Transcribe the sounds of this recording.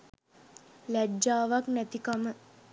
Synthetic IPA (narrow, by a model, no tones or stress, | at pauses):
læd͡ʒaːʋaknæt̪ikamə